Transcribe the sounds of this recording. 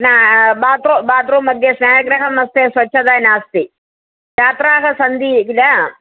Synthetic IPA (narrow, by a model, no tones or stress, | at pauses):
naːbaːt̪ɾobaːt̪ɾomɐɡ̪jesnaːjɐɡɾɐɦɐmɐst̪eːsʋɐt͡ʃːʃʰɐd̪aːnaːst̪i | t͡ʃaːt̪ɾaːɦɐsɐnd̪ikila